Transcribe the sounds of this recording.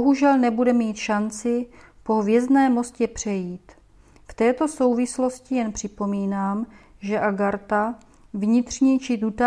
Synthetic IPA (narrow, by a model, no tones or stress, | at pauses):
oɦuʒɛlnɛbudɛmiːt̪ʃant͡sɪ | po̞ɦvjɛzdnɛːmo̞scɛpr̝̥ɛjiːt̪ | ft̪ɛːt̪o̞so̞wvɪslo̞scɪjɛnpr̝̥ɪpo̞miːnaːm | ʒɛʔaɡaɾt̪a | vɲɪt̪r̝̥ɲiːt͡ʃɪd̪ut̪a